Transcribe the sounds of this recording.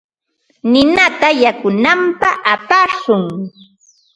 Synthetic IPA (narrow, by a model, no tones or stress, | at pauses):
nɪnat̪ajakʊnampaʔapasʊŋ